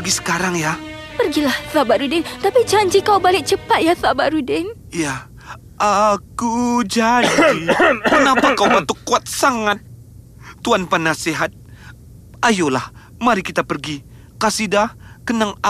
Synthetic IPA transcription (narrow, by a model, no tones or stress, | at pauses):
ɡisə̥kaɾaŋjapərɡilahθabaʔɾudɪŋt̪apid͡ʒaɲd͡ʒikawbalɪk̚t͡ʃəpat̪̚jaθabaʔɾudɪŋ | ja | ʔakud͡ʒaikənapakawbat̪ukːuat̪̚saŋat̪̚ː | uanpanaseɦat̪̚ | ajolah | maɾikit̪apərɡi | kasidakənaŋa